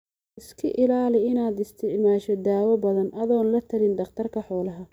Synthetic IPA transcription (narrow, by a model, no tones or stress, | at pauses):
ɪskʰɐʔɪlaːlɪɪnaːd̪ɪst̪ʰɪʕmaːʃɔd̪aːwɐbɐðɐnʔɐðɔːnlɐt̪ʰɐlɪnd̪ɐχt̪ʰɐrkʰɐħɔːlɐɦɐ